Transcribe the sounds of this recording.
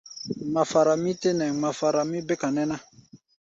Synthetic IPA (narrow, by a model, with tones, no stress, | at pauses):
ma˨fa˨ɾa˨mĩ˦te˦nɛ̃˨ma˨fa˨ɾa˨mĩ˦bɛ˦ka˨nɛ̃˦na˦